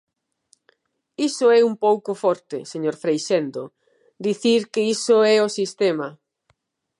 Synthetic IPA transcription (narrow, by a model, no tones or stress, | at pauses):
isʊɛumpowkʊfɔɾt̪ɪseɲoɾfɾejʃend̪o̰ | d̪iθiɾkeisoɛosist̪ɛmɐ